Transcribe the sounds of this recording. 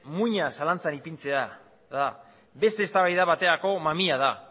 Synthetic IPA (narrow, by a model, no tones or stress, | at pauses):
muɲasalant͡sanipint͡se̞a | ða | be̞st̪e̞ːst̪aβajðaβat̪e̞ɾako̞mamiaða